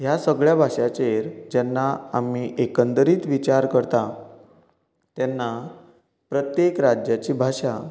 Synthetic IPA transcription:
ɦjasəɡɭjabʱaʂat͡ɕeɾd͡ʑɛnːaamiʔekənd̪əɾiːt̪ʋit͡ɕaɾkəɾt̪a | t̪janːa | pɾət̪jekɾad͡ʑjat͡ɕiːbʱaʂa

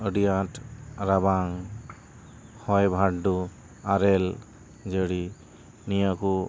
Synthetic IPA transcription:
əɖijatɾabaŋ | hɔjbʱaʈdu | aɾɛl | d͡ʒəɽi | nijaku

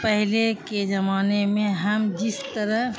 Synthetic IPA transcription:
pəɦleked͡ʒɐmaːnemẽɦɐmd͡ʒɪst̪əɾəɦ

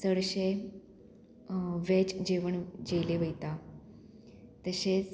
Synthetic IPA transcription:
səɽɕe | ʋet͡ɕd͡ʑeʋəɳd͡ʑeleʋəjt̪a | t̪əɕet͡s

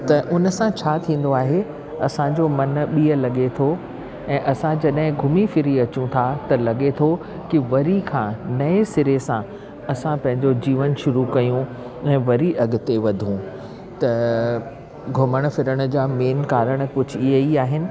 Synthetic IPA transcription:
t̪ɐʔʊnəsãt͡ɕʰaːt̪ʰĩːn̆d̪oaːɦe | ɐsãd͡ʑomɐnɓiːəlɐɠet̪ʰo | ɛ̃ːʔɐsãd͡ʑɐɗɦɪ̃ɡʱʊmifɪɾiɐt͡ɕũt̪ʰat̪ɐlɐɠet̪ʰo | kiʋɐɾikʰãnɐesɪɾesã | ɐsãpɐ̃ɦɪ̃ɲd͡ʑod͡ʑiːʋənʃʊɾukɐjũ | ɛ̃ːʋɐɾiʔɐɠʊ̆t̪eʋɐd̪ʱũ | t̪ɐ | ɡʱʊməɽ̃fɪɾəɽ̃̆d͡ʑaːmeːnkaːɾəɽ̃kʊd͡ʑ̆ʱiɦəiaːɦɪnɪ̆

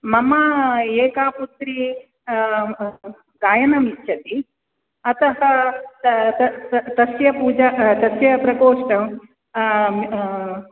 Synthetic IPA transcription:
mɐmaːeːkaːput̪ɾi | ɡaːjɐnɐmitːʃʰɐt̪i | ɐt̪ɐɦɐ | ɐt̪ɐsjɐpuːd͡ʒaːt̪ɐsjɐpɾɐkoːʂʈɐm

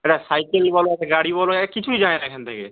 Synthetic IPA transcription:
eʈasajkelibɔloɛʈaɡaɽibɔlokit͡ʃʰuid͡ʒãẽnakʰɛnt̪ekḛ

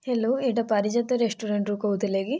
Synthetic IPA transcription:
helːoeʈɐpɐɾid͡ʒɐt̪ːuɾesʈuɾeɳʈɾukout̪ileɡi

